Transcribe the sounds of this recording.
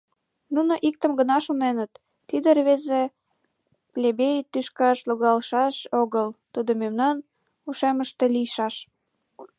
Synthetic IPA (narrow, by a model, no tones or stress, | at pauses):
nunoʔik̚t̪əmɡənɑʃonenət̪ː | id̪ərβeze | plʲebejt̪yʃkɑʃloɣɑlʃɑʃoɣəlt̪ud̪omemnɑn | uʃeməʃt̪elijʃɑʃ